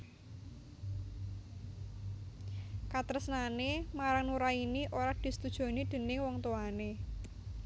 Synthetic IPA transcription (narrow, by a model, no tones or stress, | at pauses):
kat̪əɾəsnanemaɾaŋnuɾainiʔoɾad̪̥i̤sə̥t̪ud̥ʒ̥o̤nid̪̥ə̤nɪŋwɔŋt̪oane